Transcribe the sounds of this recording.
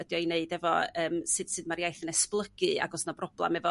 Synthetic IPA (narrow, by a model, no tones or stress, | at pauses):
ədjɔineɨdɛvɔəːmsɨd̥sɨdmaɾjajθənɛsplˠəɡɨa̰ɡɔsnabrɔblˠa̰mɛvɔ